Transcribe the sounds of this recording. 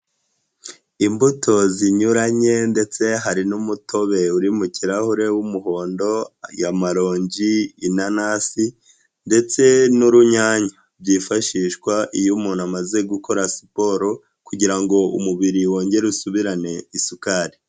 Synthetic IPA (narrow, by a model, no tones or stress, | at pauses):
imbutʰo̞ziɲuɾaɲe̞nde̞t͡se̞ɦaɾinumuto̞βe̞uɾimuciɾahuɾe̞wumuho̞ːndo̞ajamaɾo̞ːɲɟiːnanaːsi | nde̞t͡se̞nuɾuɲaːɲa | bɟiːfaʃiʃkwaʔijumunamaze̞ɡuko̞ɾasi̥po̞ːɾo̞ | kuɟiɾaŋɡo̞ṵmuβiɾiwo̞ːɲɟe̞ɾusuβiɾane̞isukaːɾi